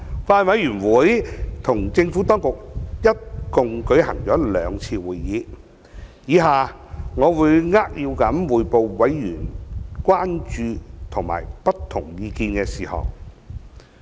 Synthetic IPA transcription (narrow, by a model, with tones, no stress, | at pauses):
faː˧nwɐ˨˥jyː˨˩nwuː˨˥jt̪ʰʊ˨˩ŋt͡sɪ˧ŋfu˨˥t̪ɔː˥ŋkʊ˨k̚jɐ˥t̚kʊ˨ŋkɵ˨˥ɥhɐ˨˩ŋt͡ʃɔː˨˥lœː˨˧ŋt͡sʰiː˧wuː˨jːiː˨˧˥ | jiː˨˧˥ɦaː˨˩ | ŋɔː˨˧wuː˨˧jŋaː˥k̚ji˧wkɐ˨˥mwuː˨˩jpo˨˧wwɐ˨˥jːyː˨˩nkʷwaː˥nt͡ʃyː˧t̪ʰʊ˨˩ŋma̰ː˨˩jpɐ˥tt̪ʰːʊ˨˩ŋjiː˧kiː˧nkɛː˧siː˨˩hɐ̰˨˩w